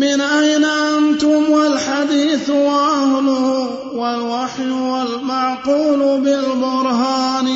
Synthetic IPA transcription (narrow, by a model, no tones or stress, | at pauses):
mɪnʔajnaʔant̪ʊmwalħad̪iːθwaʔahlʊ | walwaħjwalmaʕquːlʊbɪlbʊɾɦaːn